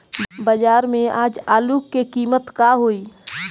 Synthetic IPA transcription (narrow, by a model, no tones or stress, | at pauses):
bəd͡ʒaːɾmẽaːd͡ʒaːluːkːekiːmət̪kaɦoːiː